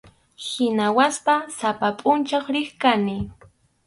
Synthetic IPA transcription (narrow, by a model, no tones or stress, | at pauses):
hɪnawaspasapapʼʊnt͡ʃaχɾɪχkanɪ